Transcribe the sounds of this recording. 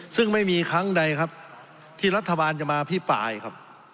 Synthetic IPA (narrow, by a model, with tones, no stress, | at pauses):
sɯ˥˩ŋma˥˩jmiː˧kʰa˦˥ŋda˧jkʰa˦˥p̚ | t̪ʰiː˥˩ɾa˦˥t̪ʰːa˧baː˧nt͡ɕa˨˩ʔmaː˧pʰiː˥˩pa̰ː˧jkʰa˦˥p̚